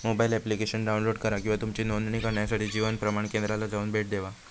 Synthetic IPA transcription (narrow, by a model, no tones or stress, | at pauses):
mobailɛplikeɕənɖaunloɖkəɾakĩw̃ʋat̪umt͡ɕiːnonɳiːkəɾɳjasaʈiːd͡ʑiʋənpɾəmaɳkend̪ɾalad͡zauːnbʱeʈ̚d̪eʋa